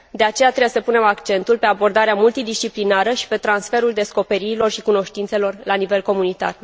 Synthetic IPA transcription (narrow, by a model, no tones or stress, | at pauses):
d̪e̞at͡ʃejat̪ɾebesəpune̞makt͡ʃe̞nt̪ulpe̞abo̞rd̪aɾeamult̪id̪ist͡ʃiplinaɾəʃi̥pe̞t̪ɾansfe̞ɾuld̪e̞sko̞pe̞ɾiɾilo̞rʃikuno̞ʃt̪int̪se̞lo̞rlanive̞lko̞munit̪a̰r